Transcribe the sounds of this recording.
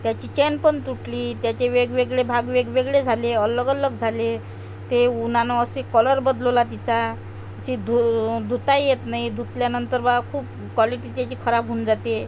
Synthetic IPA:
t̪jat͡ɕiːt͡ɕɛnpənt̪uʈliːt̪jat͡ɕeʋeɡʋeɡɭebʱaɡʋeɡʋeɡɭed͡zʱaleələɡələɡd͡zʱale | t̪eunanɔːsekələɾbəd̪lolat̪it͡sa | əɕid̪ʱud̪ʱut̪ajjet̪naid̪ʱut̪ljanənt̪əɾbaɡkʰuːp̚ | kʋɔliʈiːt̪jat͡ɕiːkʰəɾapɦund͡zat̪e

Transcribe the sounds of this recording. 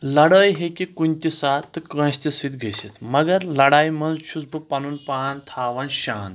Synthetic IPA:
lɐɽəːjɦekikunʲt̪isaːt̪ːɨkə̃ɕt̪isit̪ɡʱeɕet̪mɐɡəɾlɐɽaːjmɐnzɕud͡zbəpɐnuːnpaːnt̪ʰaːʋɐnɕaːn

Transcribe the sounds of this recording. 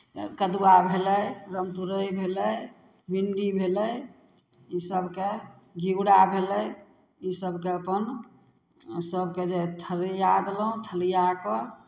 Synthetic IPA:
kəd̪uwabʱeləjɾəmt̪uɾəjbʱeləj | binɖibʱeləj | isəbkeɡiuɽabʱeləj | isəbkeəpən | səbked͡ʒet̪ʰəljad̪lɦũt̪ʰəlijakɔ

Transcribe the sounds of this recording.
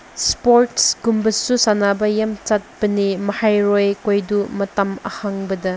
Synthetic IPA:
spoɾtsɡumbɐsusanabɐjamt͡ʃat̚pɐnimɐhajɾojkojdumɐtɐmɐ̰haŋbɐdɐ

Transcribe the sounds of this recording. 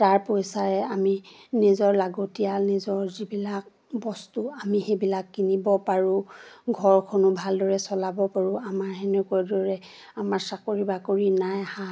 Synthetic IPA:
taɹpojsaɹɛaminizɔɹlaɡotijalnizɔɹzibilak̚ | bɔstuamixebilakːinibɔpaɹuɡʱɔɹkʰɔnʊbʱaldɔɹɛsɔlabɔpaɹuamaɹɦɛnɛkɔjdɔɹɛ | amaɹsakoɹibakoɹinajaha

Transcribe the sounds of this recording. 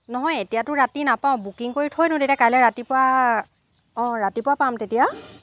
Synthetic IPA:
nɔɦɔjetijatʊɹatinapaʊ̃bukiŋkoɹitʰojdʊ̃tetijakajlɛɹatipʊwa | ɔ̃ɹatipʊwapamtetija

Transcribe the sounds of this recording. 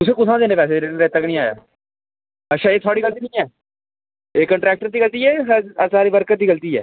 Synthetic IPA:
t̪ʊsẽːkʊsãːd̪eːneːpɛːseːɾeːnɾet̪ːəknĩːaːja̰ː | ətːʃʰaːeːt̪ʰaːɽiːɡəlt̪iːnĩːɛː | eːkəɳʈɾɛːk̚ʈəɾt̪iːɡəlt̪iːɛːsasaːɾiːʋəɾkət̪d̪iːɡəlt̪iːɛ̰ː

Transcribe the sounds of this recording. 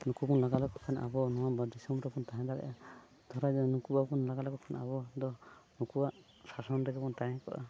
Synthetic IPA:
nukubɔnlɔɡalɔkɔkʰana̰bɔnɔwabɔd̪isɔmbɾɔpunt̪aɦãd̪aɾɛ̰ʔɛ | d̪̥ʱɔɾajd̪ɔnukubabunlaɡalɔkɔkʰana̰bɔd̪ɔnukubaʔ | sasɔnɾɛɡɛpunt̪aɦɛ̃kɔ̰ʔa̰

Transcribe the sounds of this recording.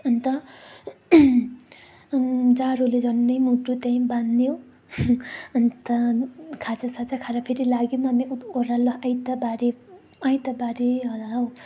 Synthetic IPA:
ʌnit̪ʌ | d͡zaɾoled͡zʌnːʌjmuʈut̪jãj̃bannjo | ʌnit̪ʌkʰat͡sʰasat͡sakʰaɾapʰeɾilaɡjomamiuoɾalʌajt̪ʌbaɾe | ajt̪ʌbaɾeɦʌlaɦw

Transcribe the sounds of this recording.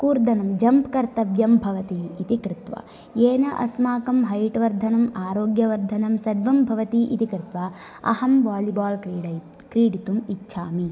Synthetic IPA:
kuːɾd̪ɐnɐmd͡ʒɐmpkɐɾt̪ɐbjɐmbʱɐʋɐt̪iːt̪ikɾɪt̪ʋɐ̰ | eːnɐʔɐ̰smaːkɐmɦɐjʈʋɐɾd̪ʱɐnɐmaːɾoːɡjɐʋɐɾd̪ʱɐnɐmsɐd̪ʋɐmbʱɐʋɐt̪iʔit̪ikɾɪt̪ʋɐ | ɐ̰hɐmʋaːlibaːlkɾiːɖɐ | kɾiːɽit̪umitːʃʰaːmi

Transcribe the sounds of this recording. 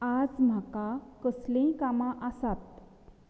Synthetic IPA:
ad͡zm̤akakəslẽkamãʔəsat̪̚

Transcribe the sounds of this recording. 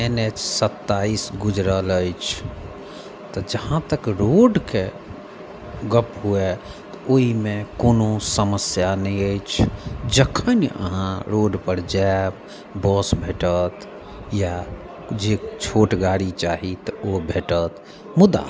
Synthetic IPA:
enet͡ʃsət̪ːaisɡud͡ʒɾələjt͡ʃʰ | t̪ɔd͡ʒəɦãt̪əkɾoɖke | ɡəpɦue | t̪ɔoɦimekonosəməsjanɛjəjt͡ʃʰd͡ʒəkʰːənə̰ɦãɾoɖpəɾd͡ʒab | bɔsbʱeʈət̪ | ja | d͡ʒet͡ʃʰoʈɡaɽit͡ʃaɦit̪ɔobʱeʈət̪ | mud̪a̰

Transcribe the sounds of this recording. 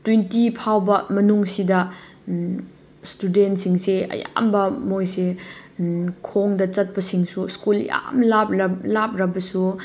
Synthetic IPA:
twentipʰawbɐmɐnuŋsidɐ | studentsiŋseɐ̰ja̰mbɐmojse | kʰoŋdɐt͡ʃɐt̚pɐsiŋsuskul̰ja̰mlapɐlap̚ʰɾɐbɐsu

